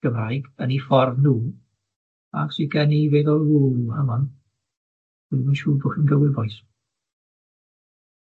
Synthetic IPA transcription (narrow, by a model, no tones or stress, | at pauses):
ɡ̥əmrajɡənifɔrvnuː | a̰ɡswiɡɛniveðɔlˠwuːamɔn | iðminʃuːbʊχɪnɡəwɪbɔjs